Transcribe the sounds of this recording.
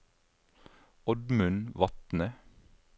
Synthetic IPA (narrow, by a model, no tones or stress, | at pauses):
ɔd̪mʉnʋɑt̪nə